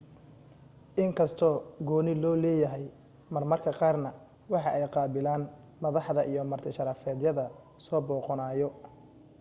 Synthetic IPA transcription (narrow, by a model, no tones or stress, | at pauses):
ʔɪŋkʰɐst̪ʰɔːɡɔːnɪlɔːlɛːjɐɦɛj | mɐrmɐrkʰɐqɑːrnɐ | wɑħɑʔɛjqɑːbɪlaːn | mɐðɑħðɐʔijɔmɐrt̪ʰɪʃɐɾɐfɛːd̪jɐðɐ | sɔːbɔːqɔnaːjɔ